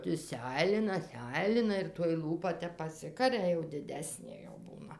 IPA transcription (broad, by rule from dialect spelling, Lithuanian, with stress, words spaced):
ˈtʲɪ ˈsʲɛɪlʲɪnɐ ˈsʲɛɪlʲɪnɐ ɪr toːj ˈlˠuːpɐ ˈtʲɛp pɐˈsʲɪkɐrʲɛ jɛʊ dʲɪˈdʲæːsʲnʲeː jɛʊ ˈbuːnɐ